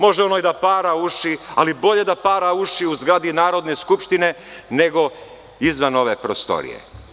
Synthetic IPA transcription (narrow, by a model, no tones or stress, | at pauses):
mo̞ʒeo̞nojd̪apaːɾauʃialibo̞ʎe̞d̪apaːɾauʃiuzɡɾaːd̪inaːɾo̞d̪ne̞skupʃt̪ine̞ne̞ɡo̞ | izʋano̞ʋepɾost̪o̞̰ɾḭje̞̰